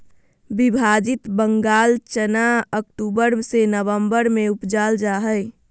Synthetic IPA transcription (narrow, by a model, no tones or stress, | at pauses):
bibʱad͡ʒɪt̪bəŋɡaːlt͡ʃənaəkʈuːbəɾsenəʋəmbəɾmẽʊpd͡ʒaːld͡ʒaɦəɪ